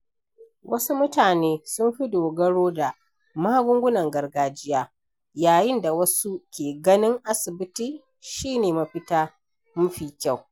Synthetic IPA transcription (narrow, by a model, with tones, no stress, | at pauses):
wɐ˦su˦mʊ˦taː˨neː˦sʊ˦mɸi˦doː˨ɡɐ˦ɽoː˦da˨ | maː˦ɡʷʊ˦ŋɡʷʊ˦nɐ˨ŋɡɐ˨rɡaː˨d͡ʒɪ˦jaː˦ | jaː˨jɪ˦nda˨wɐ˦su˦kʲeː˨ɡɐ˦nɪ˦ŋʔa˦sɪ˨bɪ˦tiː˨ | ʃiː˦neː˨ma˨ɸɪ˦taː˦ | mʊ˦ɸiː˦˨kʲa˦˨w